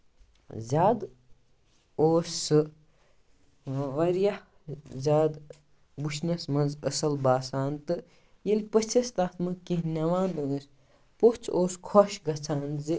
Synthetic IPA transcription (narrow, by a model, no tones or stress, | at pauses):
zʲaːd̪ | oːsɨ | ʋɐɾjɐh | zʲaːd̪ | buʃnɐsmɐnzɐsɐlbaːsaːnt̪ɨ | jɐlʲpət͡sʰɐst̪aːt̪mɨkiɦnʲɐʋãːnd̪ɨsʲ | poht͡sʰoːskʰoʃɡɐt͡sʰaːnzi